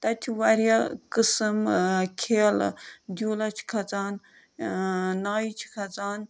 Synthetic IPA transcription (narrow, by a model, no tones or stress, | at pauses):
t̪ɐt̪ʰiʋaɾjakɨsɨmkʰeːld̪ʲuːlat͡ʃʰi̥kʰɐt͡saːn | naːjit͡ʃʰi̥kʰɐt͡saːn